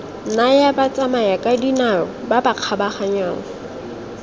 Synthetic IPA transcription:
najabat͡sʼamajakʼadinarɔbabaq͡χʰabaχaɲwaːŋ̩

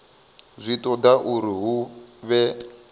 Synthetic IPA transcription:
zʷitʼɔdaʔuɾiɦuβɛ

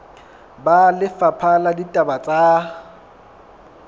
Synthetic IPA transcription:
balɪfapʰaladitʼabat͡sʼa

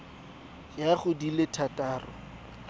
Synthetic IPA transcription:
jaχʊdilɪtʰatʼaːrɔ̰

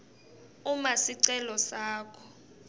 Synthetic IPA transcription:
umasiǀɛlɔsaːkʰɔ̥

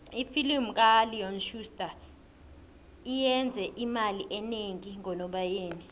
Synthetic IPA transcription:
ifilimkʼaliɔnʃustʼa | ijɛnd͡zʱɛʔimaliʔɛneŋiŋɔnɔɓajeːni

